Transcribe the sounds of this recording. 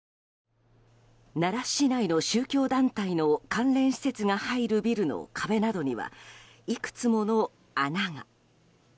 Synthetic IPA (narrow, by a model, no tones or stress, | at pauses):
naɾaɕinaino̞ɕɨːkʲo̞ːd̪ãnt̪aino̞kãnɾẽ̞ɰ̃ɕi̥se̞t͡sɨŋahaiɾɯ̟bʲiɾɯ̟no̞̰kʰabe̞nad̪o̞ɲ̟iβa̰ | ikɯ̟̥t͡sɨmo̞no̞ | anaŋa